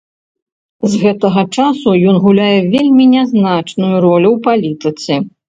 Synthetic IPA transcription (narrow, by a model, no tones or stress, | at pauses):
zɣɛt̪ɐɣɐt͡ʂasujɔnɣulʲajɛvʲelʲmʲinʲɛznat͡ʂnujuɾɔlʲuwpalʲit̪ɨt̪sɨ